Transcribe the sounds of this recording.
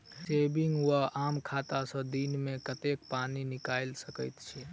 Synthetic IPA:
sebiŋɡwəamkʰat̪asə̃d̪inmẽkət̪ekpaninikalsəkəɪt̪t͡ʃʰɛ

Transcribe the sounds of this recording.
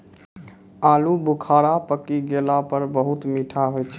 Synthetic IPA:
alubʱukʰaɾapəkiɡelapəɾbəɦut̪miʈʰaɦojt͡ʃʰɛ̥

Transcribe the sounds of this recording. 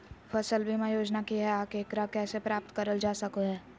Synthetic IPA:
fɐsəlbʱimãjoːd͡ʒnakiɦɛaːkeːkɾakɛːsepɾaːp̚t̪kɐɾəld͡ʒaːsɐkoɦɛː

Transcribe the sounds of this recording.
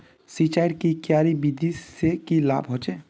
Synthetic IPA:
sit͡ʃajɽkikjaːɾibid̪ʱisekila̰ːbɦot͡ʃe

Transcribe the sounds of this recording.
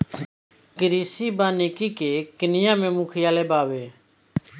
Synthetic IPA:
kəɾiːsiːbaːneːkiːkeːkɪnɪjãːmẽːmuːkʰɪjaːleːbaːʋeː

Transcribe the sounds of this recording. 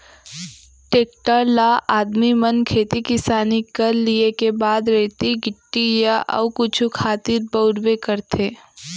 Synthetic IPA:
ʈeːk̚ʈaɾlaʔaːd̪mimənkʰeːt̪ikɪsaːnikɐɾliekebaːd̪ɾɛɦt̪iɡɪʈːijaʔɔ̰ʋkʊt͡ʃʰukʰaːt̪ɪɾbəʊɽwekɐɾt̪ʰeː

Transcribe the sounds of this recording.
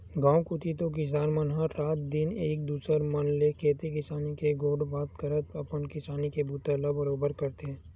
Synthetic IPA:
ɡãːwkʊt̪it̪̬okɪs̬aːɾmənɦãɾaːt̪̚d̪ɪneːk̚d̪uːsəɾmɐnlekʰeːt̪ikɪsaːnikeɡoːɖbaːt̪kəɾət̪̚ɐpənkɪsaːnikebuːt̪elabɐɾoːbəɾkɐɾt̪ẽː

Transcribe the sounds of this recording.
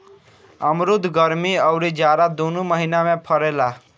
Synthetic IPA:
əmɾʊd̪ʱɡəɾmiəʊɾid͡ʒaːɾad̪onuməɦinamẽpʰəɾela

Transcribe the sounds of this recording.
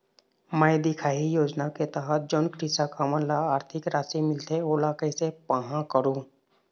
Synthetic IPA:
mɛ̃ːd̪ɪkʰaːijoːd͡ʒnaket̪aɦət̪̚d͡ʒɔːnkɾɪsakaməlaaːɾt̪ʰɪkɾaːsimɪlt̪ʰeoːlaːkəisepaɦãkəɾũː

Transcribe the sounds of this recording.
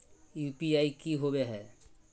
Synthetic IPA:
jupiajkiɦobeɦɛ

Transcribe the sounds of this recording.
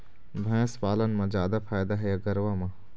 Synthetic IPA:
bʱɛ̃ːspaːlənmẽd͡ʒjaːd̪apʰaːjd̪aɦɛjaɡəɾʋamã

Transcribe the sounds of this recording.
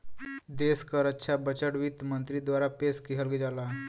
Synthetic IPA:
d̪eskaɾətːɕʰabət͡ɕəɽʋiːt̪mənt̪ɾid̪ʋaɾapeskiɦəlɡed͡ʒala

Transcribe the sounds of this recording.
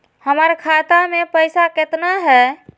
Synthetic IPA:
həməɾkʰat̪amepəjsaket̪naɦɛ

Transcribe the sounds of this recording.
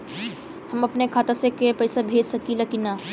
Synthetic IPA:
hɐmɐpnekʰaːt̪asekepɐjsabʱeːd͡ʒsɐkilɐkinaː

